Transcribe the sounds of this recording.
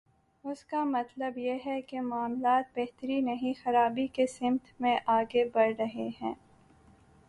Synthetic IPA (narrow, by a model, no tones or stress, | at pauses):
ʊskamɐt̪ləbjeɦɛkemaːmlaːt̪̚bɛɦt̪əɾinɐɦĩxɐɾaːbikesɪ̃mt̪ʰmẽʔaːɡebɐɾɾɐɦeɦɛ̃ː